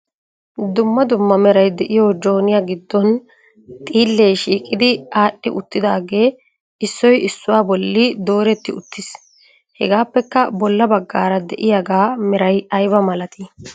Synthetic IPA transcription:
d̪ʊmːɐd̪ʊmːɐmɛɾɐjd̪ɛʔɪjoːd͡ʒo̞ːnɪjaɡɪd̪ːɔn | t̪ʼiːlːejʃiːkʼːɪd̪ɪaːɗːɪʔʊt̪ːɪd̪aːɡe̞ː | ɪsːɔjɪsːʊwaːbɔlːɪd̪o̞ːɾɛt̪ːɪʊt̪ːɪs | hɛ̰ɡaːpːɛkːɐbɔlːɐbɐɡːaːɾɐd̪ɛʔɪjaɡaːmɛɾɐjɐjbɐmɐlɐt̪ʰɪ

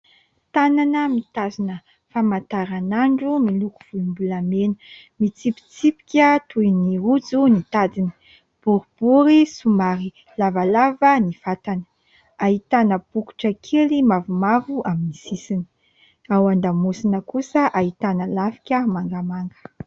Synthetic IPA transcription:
t̪ananəmit̪azinə | famant̪aɾanaɳɖ͡ʐumiluku̥v̥ulumbulamenə̥ | mit͡sipi̥t͡sipi̥kʲət̪ujniud͡zunit̪ad̪inə̥ | b̥uɾub̥uɾisumaɾi | lavalavənifat̪anə̥ | aɦit̪anəb̥uku̥ʈ͡ʂəkʰelimavumavuʔaminisisini̥ | awand̪amusinəkusəʔaɦit̪anəlafi̥kʲəmaŋɡamaŋɡə̥

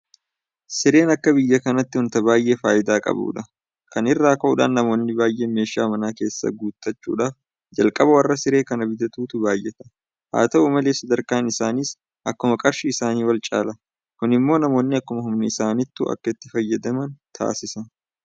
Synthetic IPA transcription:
sɪɾe̞ːnɐkːɐbɪjːɐkɐnɐt̪ːɪhʊnt̪ɐbaːjʔeːfaːjɪd̪aːkʼɐ̰bṵːᶑɐ | kɐnɪrːaːkɐʔʊᶑa̰ːnːɐmo̞ːnːɪbaːjʔe̞ːme̞ːʃaːmɐnaːke̞ːsːɐ̰ɡuːt̪ʼːɐt͡ʃːṵːᶑaːf | d͡ʒɐlkʼɐbɐwɐrːɐsɪɾe̞ːkɐnɐbɪd̪ɐt̪uːt̪ʊbaːjʔɛt̪ɐ | ha̰ːt̪ɐuːmɐleːsɐd̪ɐɾkaːnɪsaːniːs | ʔɐkːʊmɐkʼɐɾʃɪːsaːniːwɐlt͡ʃʼa̰ːlɐ | kʊnɪmːo̞ːnɐmo̞ːnːɪɐkːʊmɐɦʊmnɪɪsaːnɪt̪ːṵːʔɐ̰kːɐɪt̪ːɪfɐjːɐd̪ɐmɐnt̪ʰa̰ːsɪsɐ

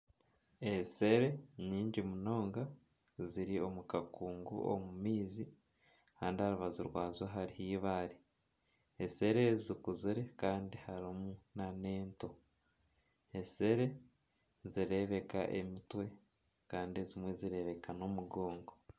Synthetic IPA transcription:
e̞se̞ɾe̞ɲiːɲɟimuno̞ːŋɡa | ziɾio̞mukakuːŋɡṵo̰mumiːzi | kaːndihaɾuβazuɾwaːzwaɦaɾihiːβaːɾi | ese̞ɾe̞zikuziɾe̞kaːndihaɾimunane̞ːnto̞ | ese̞ɾe̞ | ziɾe̞βe̞ka̰ʔe̞̰mitwe̞ | kaːndie̞zimwe̞ziɾe̞βe̞kano̞muɡo̞ːŋɡo

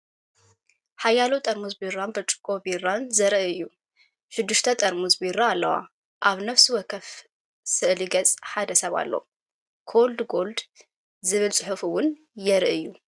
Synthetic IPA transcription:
ħajːaləwt̪ʼəɾmuzbiɾːanbət͡ʃʼɨ̥kʼobirːanzəɾʔɨjːu | ʃɨd̪ːɨʃt̪ʰət̪ʼəɾmuzbiɾːaːlːəwa̰ | ʔaβnəfswɔkʰəf | sɨʔliɡət͡sʼħad̪əsəβa̰lːə̰hu | kʰold̪ɡo̞ld̪ | zɨβɨlsʼɨħufɨwʊn | jɛɾɨʔɨjːu

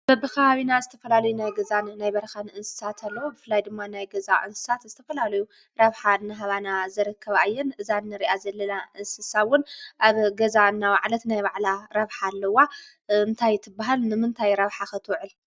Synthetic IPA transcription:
b̥ɐbɨkaaβinazɨt̪ʰɐfɐlalɐjunajɡɐzanːajbɐɾɐxanɨnsɨ̥sat̪ʰalːɐwubɨfɨlːajd̪ɨmːanajɡɐzaʔɨnsɨ̥sat̪zɨt̪ʰɐfɐlalɐju | ɾɐβħanːɨɦaβanazɨɾɨkʰːɐβajːɛnʔɨzanːɨɾiʔazɐlːɐnaʔɨnsɨsaβwʊnʔaβɡɐzanːawaʕlɐt̪najβaʕlaɾɐβħalːɐwa | ɨnt̪ʰajt̪ʰɨbːaɦalnɨmɨnt̪ʰajɾɐβħaxɐt̪ʰwʕɨl

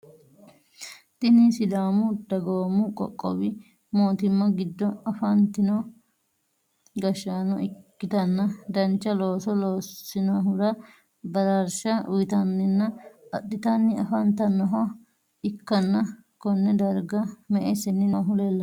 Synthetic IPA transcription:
t̪ɪnisɪd̪aːmʊd̪ɐɡoːmʊkʼɔ̰kʼːɔ̰wɪ | moːt̪ɪmːɐɡɪd̪ːɔɐfɐnt̪ɪno | ɡɐʃaːnɔɪkːɪt̪ɐnːɐd̪ɐnt͡ʃːɐlo̞ːsɔloːsːɪnoɦʊɾɐ | bɐdɐɾʃɐʊ̰jɪt̪ɐnːɪnːɐɐɗːɪt̪ɐnːɪɐfɐnt̪ɐnːɔɦɔ | ɪkːɐnːɐ | kɔnːɛd̪ɐɾɡɐmɛʔesɛnːɪnoɦʊlelːɐ

